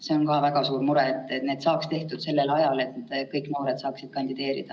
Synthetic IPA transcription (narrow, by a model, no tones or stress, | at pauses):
se̞o̞nkɑːvæɡ̥ɑsuːɾmuɾɛt̪ːˑet̪ne̞ːd̪̥sɑːkst̪e̞ht̪ud̪̥se̞lːe̞lɑjɑle̞t̪ːkɤjkno̞ːɾe̞d̪sɑːksid̪̥̚kɑnd̪id̪e̞ːɾḭd̪̥ɑ